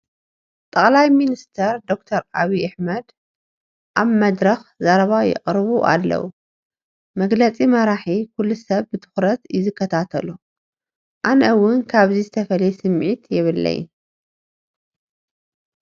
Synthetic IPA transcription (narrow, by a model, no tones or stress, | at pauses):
t̪ʼɐχʼlajminist̪ʰɐɾd̪o̞k̚t̪ʰɐɾaβiʔaħmɐd̪ | ʔaβmɐd̪ɾɐxzaɾɐβajɪ̰kʼɾβuʔa̰lːɐ̰wu | mɐɡlɐt͡sʼimɐɾaħikʰulːusɐβbɨt̪ʰɨ̥xɾɐt̪zɨkːɐt̪ʰat̪ʰɐlu | ʔanʔɐwːʊnkʰaβzizɨt̪ʰɐfɐlɐjesɨmʕit̪jɪβɨlːɐ̰j̰